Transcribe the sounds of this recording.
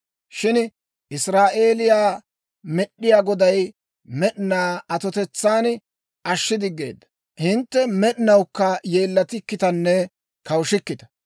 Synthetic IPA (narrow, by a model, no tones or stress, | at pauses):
ʃɪn | ʔɪsɾaːʔe̞ːlɪjaː | mɛɗːɪjaːɡɔd̪ɐj | mɛɗɪnaːɐt̪ɔt̪ɛt͡sːaːn | ɐʃːɪd̪ɪɡːe̞̰ːd̪ːɐ | hɪnt̪ːɛmɛɗɪnɐwkːɐje̞ːlːɐt̪ɪkːɪt̪ɐnːɛ | kɐwʃɪkːɪt̪ɐ̥